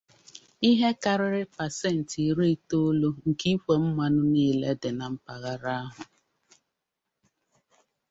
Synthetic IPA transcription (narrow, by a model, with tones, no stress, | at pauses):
i˦ɦe˦ka˨ɾɪ˦ɾɪ˦pa˨se˦˨n̩˨ti˨ɾi˦to˦lo˦ŋ̩˨ki˦kʷe˨m̩˦ma˦nʊ˦niː˦le˦dɪ˨na˨m̩˦pa˨ɣa˦ɾa˦a˦ɦʊ˨